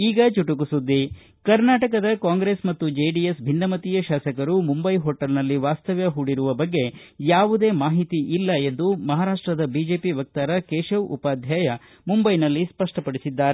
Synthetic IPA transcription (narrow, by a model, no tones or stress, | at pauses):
iːɡɐt͡ʃuʈukusud̪ːi | kɐɾnaːʈɐkɐd̪ɐkaːŋɡɾe̞ːsmɐt̪ːud͡ʒeɖijesbʱinːɐmɐt̪ijɐʃaːsɐkɐɾumumbɐjɦoːʈɐlnɐlːiʋaːst̪ɐʋjɐɦuːɽiɾuʋɐbɐɡːe̞jaːʋud̪e̞ːmaːɦit̪iʔilːɐe̞nd̪umɐɦaːɾaːʂʈɾɐd̪ɐbiːd͡ʒe̞ːpiʋɐk̚t̪aːɾɐkeːʃɐʋṵpaːd̪ʱjaːjɐ | mumbɐjnɐlːispɐʂʈɐpɐɽisid̪ːaːɾe